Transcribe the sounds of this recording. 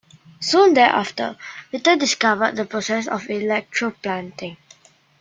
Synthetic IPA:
sũndɛʔa̰ftə̰ɹitədɪskavəd̚dəpɹosɛsɔ̰filɛk̚tʰɹoplãntɪ̃ŋ

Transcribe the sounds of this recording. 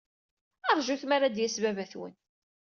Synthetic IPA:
ɑɾˤʒuθmaɾad̪jæsvævæθwə̰n

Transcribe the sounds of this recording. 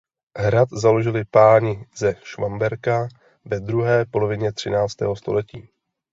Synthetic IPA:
ɦɾat̪zalo̞ʒɪlɪpaːɲɪzɛʃvambɛɾka | vɛd̪ɾuɦɛːpo̞lo̞vɪɲɛt̪r̝̥ɪnaːt͡st̪ɛ̰ːɦo̞st̪o̞̰lɛciː

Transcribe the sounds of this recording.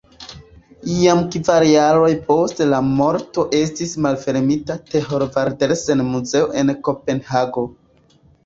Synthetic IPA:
iamkvaɾjaɾo̞jpo̞stlamo̞ɾto̞ʔe̞s̬tismalfe̞ɾmitate̞ɦo̞ɾvaɾdeɾsenmuze̞oʔe̞nko̞pe̞nhaɡo̞

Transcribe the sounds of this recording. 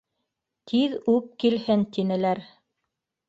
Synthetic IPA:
t̪ʰiðʉp̚kilhɘnt̪inɘ̆læɾ

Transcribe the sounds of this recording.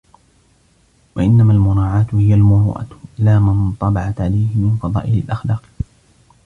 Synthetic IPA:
waʔɪnːamaːlmʊɾaːʕaːt̪ʊhɪjalmʊɾṵːʔa̰ɪlaːmɪnt̪ˤɑbɑʕat̪ʕalajhɪmɪnfɑðˤɑ̰ːʔɪlɪlʔaxlaːq

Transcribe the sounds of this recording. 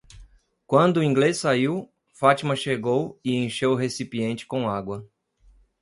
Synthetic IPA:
kwɐ̃nd̪ʊːĩŋɡlesːaiw | fat͡ʃimɐʃeɡowɪẽj̃ʃewɦesipiẽnt͡ʃɪ̥kõaɡwɐ

